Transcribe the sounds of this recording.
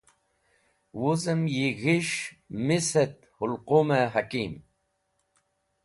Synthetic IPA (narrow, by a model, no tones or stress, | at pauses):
wuzəmjiɣiʃmiset̪̚hulqumeɦakim